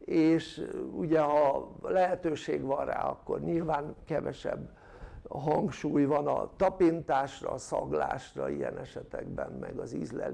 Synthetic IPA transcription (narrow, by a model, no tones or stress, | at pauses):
eːʃuɟɛɦɒlɛɦɛt̪øːʃeːɡʋɒnra̰ːɒkːo̞rɲilvaːŋkɛvɛʃɛbː | ɦɒŋkʃuːjvɒnɒt̪ɒpint̪aːʃrɒːsɒɡlaːʃrɒijɛnɛʃɛt̪ɛɡbɛmmɛɡɒzizlɛl